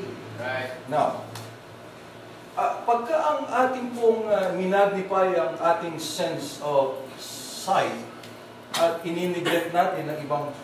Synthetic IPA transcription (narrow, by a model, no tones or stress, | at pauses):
naw | ʔɐpɐɡ̚kaʔɐŋʔaːt̪ɪŋpoŋamɪnaːɡɪpajɐŋʔaːt̪ɪŋsɛnsovsajt̪̚ | ʔɐt̪ɪninɪɡlɛt̪̚naːt̪ɪnːɐŋɪbaŋ